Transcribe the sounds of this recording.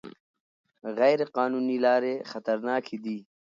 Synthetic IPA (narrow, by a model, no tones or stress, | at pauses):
ɣajɾeqɑːnuːnilaːɾexɐt̪əɾnɑːkʰid̪i